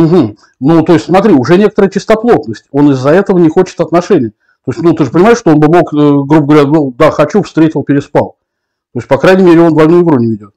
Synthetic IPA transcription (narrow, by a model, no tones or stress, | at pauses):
m̩ɦm̩ | nut̪o̞ɪsʲtʲsmɐt̪ɾʲiʊʐɛnʲekət̪əɾəjət͡ɕɪst̪ɐplˠo̞t̪nəsʲtʲo̞nɪzːɐɛt̪əvənʲɪxot͡ɕɪ̥t̪ɐt̪nɐʂɛnʲɪjə | t̪o̞ɪsʲtʲnut̪ɨʐɨpənʲɪmaɪʂːt̪oo̞nbɨmo̞kəɡɾubəɡəvɐɾʲad̪ud̪axɐt͡ɕufst̪ɾʲetʲɪlˠpʲɪɾʲɪspalˠ | t̪o̞jɪsʲtʲpɐkɾajnʲɪmʲeɾʲɪo̞nvɐlʲnojʊɡɾunʲɪvʲɪdʲo̞t̪̚